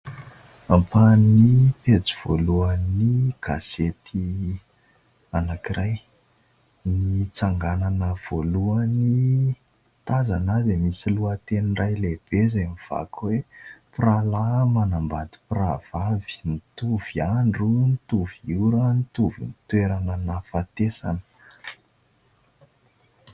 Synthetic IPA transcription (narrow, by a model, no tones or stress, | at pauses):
ampannipet͡siv̥o̰luaniɡ̥a̰zet̪ʰi | anakirʔaj | nit͡saŋɡananəv̥oluani | t̪aza̰nad̪emisiluət̪enirajleb̥ezamiv̥a̰kʰwepralamanambad̪i̥prav̥avi̥nit̪uv̥iaɳɖ͡ʐunit̪uviuɾənit̪uvḭnit̪weɾanənafat̪esa̰nə̥